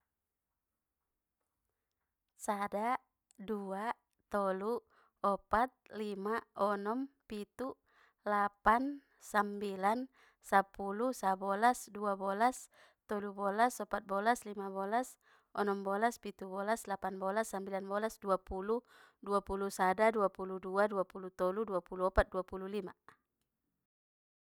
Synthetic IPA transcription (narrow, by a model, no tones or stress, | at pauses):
sada | dua | t̪ɔlu | ɔpat̪̚limaɔnɔmpit̪u | lapan | sambilan | sapulusabɔlasduabɔlas | t̪ɔlubɔlasɔpat̪̚bɔlaslimabɔlas | ɔnɔmbɔlaspit̪ubɔlaslapanbɔlasːambilanbɔlasduapulu | duapulusadaduapuluduaduapulut̪ɔluduapuluɔpat̪̚duapululima